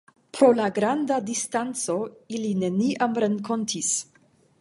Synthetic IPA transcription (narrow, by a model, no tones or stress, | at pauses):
pɾo̞laɡɾandadistant͡so̞iline̞niʔamɾeŋko̞ntʰis